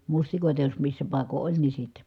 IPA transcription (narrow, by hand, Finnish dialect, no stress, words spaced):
mustikoˑitɑ jos misːæ pɑˑiko ʔolʲ ni sitːe